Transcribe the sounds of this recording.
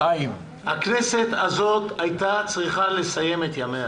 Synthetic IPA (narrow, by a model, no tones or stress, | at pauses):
aim | hakne̞se̞t̪azo̞t̪ajt̪at͡sʁiχale̞saje̞met̪jamea